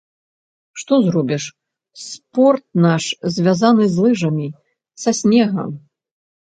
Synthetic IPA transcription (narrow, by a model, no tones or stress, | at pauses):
ʂt̪ɔzɾɔbʲiʂ | spɔrt̪̚naʂzʲvʲazanɨzʲlˠɨʐɐmʲi | sɐsʲnʲɛɣɐ̰m